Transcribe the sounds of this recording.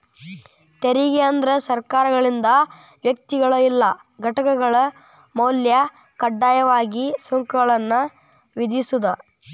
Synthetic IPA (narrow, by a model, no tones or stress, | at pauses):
t̪eɾiɡeɐnd̪ɐɾɐsɐɾkaːɾɐɡɐɭind̪ɐ | ʋjɐk̚t̪iɡɐɭɐilːɐ | ɡʱɐʈɐkɐɡɐɭɐ | mɐwljɐ | kɐɖːaːjɐʋaːɡisoŋkuɡɐɭɐnːɐ | ʋid̪isud̪ɐ